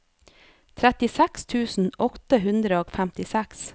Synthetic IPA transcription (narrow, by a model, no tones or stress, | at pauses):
t̪ʰɾɛt̪ɪsækst̪ʰʉːsn̩ɔt̪əɦʉnd̪ɾəoːfæmt̪ɪsæks